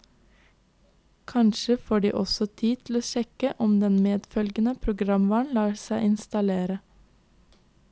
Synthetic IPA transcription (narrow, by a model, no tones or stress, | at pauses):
kʰɑnʃəfoːɖḭːʔɔsɔt̪ʰiːt̪ʰl̩oːʃɛkəʔɔmd̪ɛnmeːd̪fœlɡənəpʰɾʊɡɾɑmʋɑːɳlɑːɾsæɪɪnst̪ɑleːɾə